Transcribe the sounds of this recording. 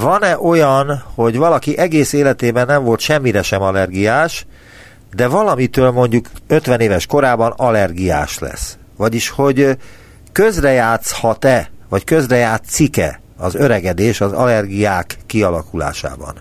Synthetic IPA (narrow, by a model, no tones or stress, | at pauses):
vɒnɛʔo̞jɒnho̞ɟvɒlɒkiʔɛɡeːseːlɛt̪eːbɛnːɛɱvo̞lt̪ʃɛmːiɾɛʃɛmɒlɛrɡijaːʃ | d̪ɛvɒlɒmit̪øːlmo̞ɲɟukøt̪ʋɛneːvɛʃko̞ɾaːbɒnɒlɛrɡija̰ːʃlɛ̰s | ʋɒɟiʃho̞ɟ | køzrɛjaːt̪shɒt̪ɛvɒckøzrɛjaːt̪sikɛ̰ | ɒzøɾɛɡɛd̪eːʃɒzɒ̰lɛrɡijaːkːiɒlɒkula̰ːʃa̰ːbɒ̰n